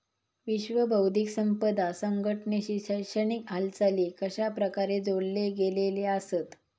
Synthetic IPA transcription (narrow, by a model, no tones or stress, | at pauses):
ʋiɕʋəbʱəwd̪ʱiksəmpəd̪asəŋɡʱəʈɳeɕiːɕəjʂəɳikɦalt͡saliːkəɕapɾəkaɾed͡zoɽleɡeleleasət̪